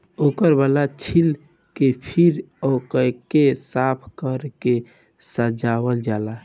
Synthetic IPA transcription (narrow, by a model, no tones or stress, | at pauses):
okəɾbalat͡ʃʰil | kepʰiɾɔkəkesapʰkəɾke | səd͡ʒaβəld͡ʒala